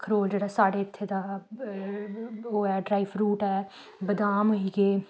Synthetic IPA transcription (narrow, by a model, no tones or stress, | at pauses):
kʰəɾoːld͡ʒeːɽaːsaːɽeːɪt̪ʰːeːd̪aː | oːɛːɖɾaːifɾuːʈɛː | bəd̪aːmoɦiːɡeː